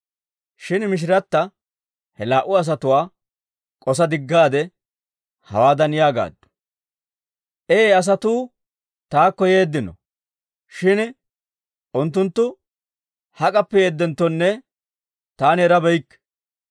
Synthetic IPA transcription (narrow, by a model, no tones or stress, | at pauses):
ʃɪnmɪʃ̬ɪɾɐt̪ːɐ | hɛlaːʔʊɐs̬ɐt̪ʊwaː | kʼɔsɐd̪ɪɡːaːd̪ɛ | hɐ̰waːd̪ɐnjaːɡa̰ːd̪ːʊ̥ | ʔeːɐs̬ɐt̪uː | t̪aːkːɔje̞ːd̪ːɪnɔ̰ | ʃɪn | ʔʊnt̪̬ːʊnt̪ːʊ | hɐkʼɐpːɛjeːd̪ːɛnt̪ːɔnːɛ | t̪aːnɛɾɐbɛjkː